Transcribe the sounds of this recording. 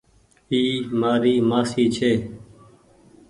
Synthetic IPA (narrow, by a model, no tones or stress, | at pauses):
iːmaːɾiːmaːsiːt͡ʃʰeː